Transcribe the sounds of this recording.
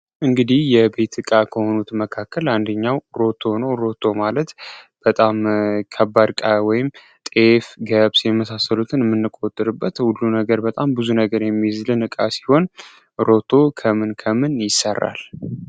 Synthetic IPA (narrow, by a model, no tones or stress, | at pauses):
ʔɨŋɡɨd̪ihjɛbe̞t̪ɨkʼakʰəho̞nut̪məkʰakːəland̪əɲːawɾo̞t̪ʰo̞nəwɾo̞t̪ʰo̞malət̪b̥ət̪ʼamkʰəbaɾkʼawɔjɪm | t̪ʼefɡəβsjɛməsasːəlut̪ʰɨnɨmːɨnːɨkʼot̪ʼːɨɾɨbːət̪hulːunəɡəɾbət̪ʼambɨzunəɡəɾjɛmːizlɨnɨkʼasi̥ho̞n | ɾo̞t̪ʰo̞kʰəmɨnkʰəmɨnjɪsːərːa̰l